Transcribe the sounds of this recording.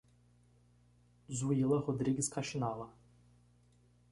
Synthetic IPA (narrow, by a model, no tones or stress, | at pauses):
zuilˠahɔd̪ɾiɡʲiskaʃinala